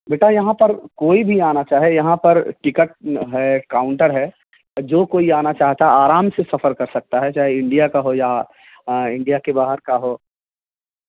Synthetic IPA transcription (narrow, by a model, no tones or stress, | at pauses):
beːʈajɐɦãpɐɾkoːibʱiaːnat͡ʃaːɦejɐɦãpɐɾʈɪkəʈ̚ɦɛkaːʊ̃ɳʈəɾɦɛː | d͡ʒoːkoːiaːnat͡ʃaːɦt̪aaːɾaːmsesɐfʰəɾkɐɾsɐk̚t̪aɦɛt͡ʃaːɦeɪ̃ɳɖijakaɦoja | ɪ̃ɳɖijakebaːɦəɾkaɦoː